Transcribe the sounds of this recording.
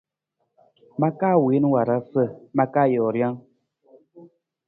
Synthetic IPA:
ma˦kaː˦˨we˨˦n˦wa˨ɾa˦sə˦˨ma˦kaː˦˨jɔː˨ɾja˦ŋ

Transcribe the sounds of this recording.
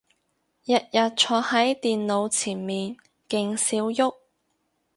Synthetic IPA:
jɐ˨t̚jɐ˨t̚t͡ʃʰɔː˧hɐ˨˥jt̪iː˨nlo˨˧wt͡sʰiː˨˩nmiː˨n | kɪ˧ŋsiː˨˥wjʊ˥k̚

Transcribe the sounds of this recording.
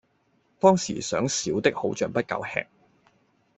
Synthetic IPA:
t̪ɔː˥ŋsḭː˨˩sœː˨˥ŋsiː˨˥wt̪ɪ˥k̚ho˨˥wt͡ʃœː˨˩ŋpɐ˥t̚kɐ̰˨˧whɛ̰ː˧k̚

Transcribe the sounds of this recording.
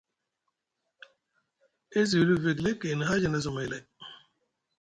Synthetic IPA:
e˦z̬i˨ɾu˦ve˨ɡle˦ke˨n˨ɦa˦d͡ʒi˨ne˨zu˨me˨le˨

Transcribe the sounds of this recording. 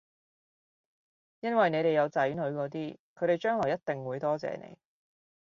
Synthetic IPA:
jɐ˥nwɐ˨jne˨˧jt̪e˨jɐ˨˧wt͡sɐː˨˥jy˨˥nhɵ˨˧ɥkɔː˨˧t̪̬iː˥kʰɵ˨˧ɥt̪e˨jt͡ʃœː˥ŋlɔː˨˩jɐ˥t̚t̪ɪ˨ŋwuː˨˧jt̪ɔː˥t͡sɛ̰ː˨nḛ˨˧j

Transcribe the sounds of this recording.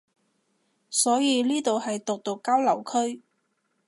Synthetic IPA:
sɔː˨˥jiː˨˧liː˥t̪o˨whɐ˨jt̪ʊ˨k̚t̪ʊ˨kːaː˥wlɐ˨˩wkʰɵ˥ɥ

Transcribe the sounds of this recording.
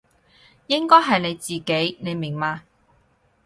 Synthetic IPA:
jɪ˥ŋkɔː˥jɦɐ˨jne˨˧jt͡siː˨ke˨˥jne˨˧jmɪ˨˩ŋmaː˧

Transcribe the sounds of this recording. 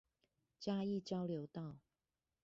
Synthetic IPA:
t͡ɕja˥i˥˨t͡ɕjɑ˥˦ʊljo˨˦ʊt̪ɑ˥˨ʊ

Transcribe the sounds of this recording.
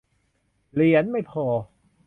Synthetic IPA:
li˨˩˦ənma˥˩jpʰɔː˧˩

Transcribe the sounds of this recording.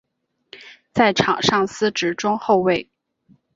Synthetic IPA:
t͡sa˥˩ɪʈ͡ʂʰɑ˨˩ŋʂɑ˥˩ŋsɹ̩˥ʈ͡ʂɻ̩˧˥ʈ͡ʂʊ˥ŋxo˥˧ʊwe˥˩ɪ

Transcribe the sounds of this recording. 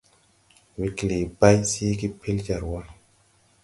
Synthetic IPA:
wi˨kli˨ba˦jsi˦ki˦pʰi˦ld͡ʒa˨ɾwɔ˦n

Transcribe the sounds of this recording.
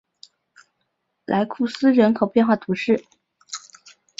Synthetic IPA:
lʔa˧˥ɪkʰu˥˩sɹ̩˥ɻə˧˥nkʰo˨˩ʊpjɛ˥˧nxwa˥˩t̪ʰu˧˥ʂɻ̩˥˩

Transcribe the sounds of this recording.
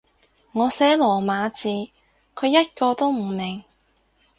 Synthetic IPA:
ŋɔː˨˧sɛː˨˥lɔː˨˩maː˨˧t͡siː˨˧ | kʰɵ˨˧ɥjɐ˥t̚kɔː˧t̪o˥wm̩˨˩mɪ˨˩ŋ

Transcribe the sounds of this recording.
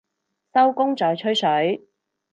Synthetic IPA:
sɐ˥wkʊ˥ŋt͡sɔː˨jt͡ʃʰɵ˥ɥsɵ˨˥ɥ

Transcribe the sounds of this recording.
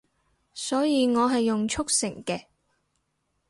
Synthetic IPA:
sɔː˨˥jiː˨˧ŋɔː˨˧ɦɐ˨jːʊ˨ŋt͡ʃʰʊ˥k̚sɪ̰˨˩ŋkɛː˧

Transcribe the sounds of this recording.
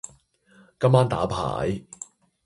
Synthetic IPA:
kɐ˥mːaː˥nt̪a̰ː˨˥pʰa̰ː˨˩˦j

